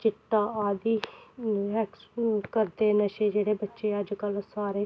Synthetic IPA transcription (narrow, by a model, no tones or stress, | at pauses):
t͡ʃɪt̪ːaːaːd̪iːɦɛkskəɾd̪eːnəʃeːd͡ʒeːɽeːbətːʃeːəd͡ʒkəlsaːɾeː